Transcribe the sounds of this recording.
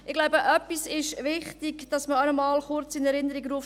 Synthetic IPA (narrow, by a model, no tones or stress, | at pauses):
ɪχɡ̥laʊbəʔœpːisɪʃvɪχtɪɡd̥ɑsməɑnəmɑːlχʊɾt͡sɪnɛɾɪnəɾiɡɾuːəf